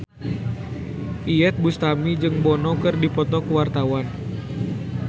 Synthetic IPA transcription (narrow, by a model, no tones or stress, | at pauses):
ʔiɛt̪̚bust̪amid͡ʒɨŋbɔnɔkɨrdipɔt̪ɔkuwart̪awan